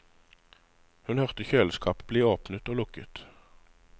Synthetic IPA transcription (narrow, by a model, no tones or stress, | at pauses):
hʉnhœʁt̪əçøːləskʰɑːpbliːoːpnət̪oːlʊkə̰t̪